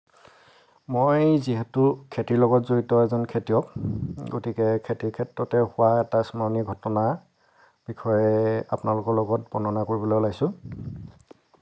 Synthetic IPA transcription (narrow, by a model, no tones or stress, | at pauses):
mojziɦɛtʊkʰetiɹlɔɡɔtzoɹitɔɛzɔnkʰetijɔkɡotikɛkʰetiɹkʰɛtɹɔtɛhʊwaɛtasmaniɡʱɔtɔna | b̥ikʰɔjɛa̰pʊnalʊkɔɹlɔɡɔt̚bɔnɔnakoɹibɔlolaɡisʊ̃